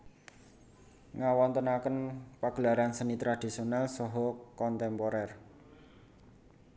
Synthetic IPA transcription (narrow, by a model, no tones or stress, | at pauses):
ŋawɔnt̪ənakənpaɡ̥əlaɾansənit̪ɾad̪̥i̤sionalsɔɦɔkɔnt̪ɛmpɔɾɛr